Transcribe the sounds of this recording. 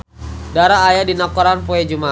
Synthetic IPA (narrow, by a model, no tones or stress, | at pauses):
daɾaːjadinakɔɾanpoɛd͡ʒuma